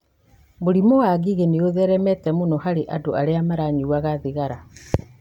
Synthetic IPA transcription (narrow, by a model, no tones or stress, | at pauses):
moɾimowaɣiɣeneoðɛɾɛmɛtɛmonɔhaɾeʔadoʔaɾeamaɾaɲiwaɣaðeɣaɾa